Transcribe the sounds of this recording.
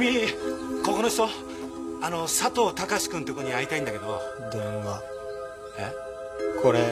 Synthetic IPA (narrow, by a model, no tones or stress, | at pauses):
mʲiko̞konoçi̥t̪o̞ | ano̞sat̪o̞ːt̪akaɕi̥kɯ̃nt̪ekotːɲ̟iait̪aĩnd̪ake̞d̪o | d̪õɡa | e | kʰoɾe